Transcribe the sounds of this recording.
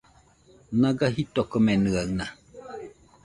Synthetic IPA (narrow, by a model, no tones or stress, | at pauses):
naɡaɦit̪okomenɨaŋna